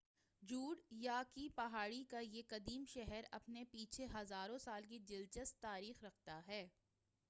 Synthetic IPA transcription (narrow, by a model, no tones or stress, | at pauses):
d͡ʒuːɽjakipɐɦaːɽikajekɐd̪iːmʃɛɦɛɾɐpnepiːt͡ʃʰeɦɐzaːɾõsaːlk̬id͡ʒɪlt͡ʃəst̪ːaːɾiːxɾɐkʰt̪aɦɛː